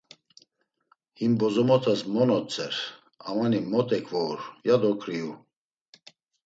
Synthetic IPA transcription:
himbɔzɔmɔt̪ʰasmɔnɔt͡sʰʼɛɾ | amanimɔt̪ʼɛkʰvɔɾjad̪ɔkʰɾiu

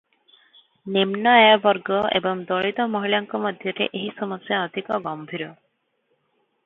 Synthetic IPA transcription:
nemnɔjabɔɾɡɔḛbɔŋd̪ɔɭit̪ɔmɔɦilaŋkɔmɔd̪ʱjɔɾḛʔeɦisɔmɔsjaɔd̪ʱikɔɡɔmbʱiɾɔ

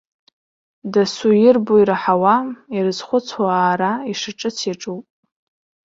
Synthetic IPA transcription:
dasujɪrboiɾaħawairɨzχʷʊt͡sʰwaːɾaiʂaʈ͡ʂʼɨt͡sʰiʈ͡ʂʼuwpʼ

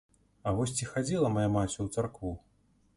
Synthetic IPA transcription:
avɔsʲt͡sʲixad͡zʲilˠɐmajamat͡sʲuwt̪sarkvu

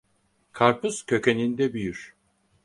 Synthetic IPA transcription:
kʰaɾpʰuz̥cʰø̞ce̞nind̪ɛbyjyɾ̥

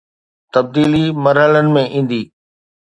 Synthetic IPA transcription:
t̪ɐb̚d̪iːlimɐɾɦələnɪ̆mẽʔĩːn̆d̪iː

